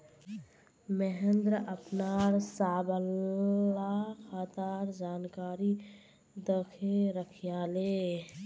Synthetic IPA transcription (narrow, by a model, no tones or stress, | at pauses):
meɦend̪ɾəəpnaɾsaːbəl | akʰat̪aɾd͡ʒaːnkaːɾi | d̪əkʰeɾəkʰjale